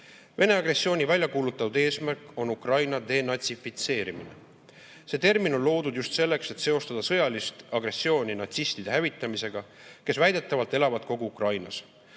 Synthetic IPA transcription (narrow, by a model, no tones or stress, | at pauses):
vʔe̞ne̞ɑɡre̞sːio̞ːnʲivælʲjɑkuːlut̪ːˑɑt̪ud̪̥e̞ːsmærkːˑo̞nukrɑjnɑd̪̥e̞nɑt̪sifit̪se̞ːɾimine̞̰ | se̞t̪e̞rminollo̞ːd̪ud̪̥just̪se̞lːe̞kse̞t̪se̞o̞st̪ɑd̪̥ɑsɤ̞jɑlist̪ɑɡ̥re̞sːjo̞ːnʲinɑt̪sist̪id̪̥e̞ɦævit̪ːˑɑmise̞ɡ̥ɑke̞svæjd̪e̞t̪ːˑɑvɑlt̪e̞lɑvɑd̪̥̚ko̞ɡ̥uukrɑjnɑ̰s